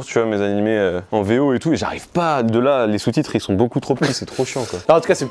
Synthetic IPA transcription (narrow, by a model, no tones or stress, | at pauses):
ʁt̪yvwamezanimeøɑ̃veoet̪ueʒa̰ʁḭvpad̪əlalesut̪it̪χilsɔ̃bokut̪χopə̥t̪isɛt̪χoʃjɑ̃kwaaɑ̃t̪ukasɛ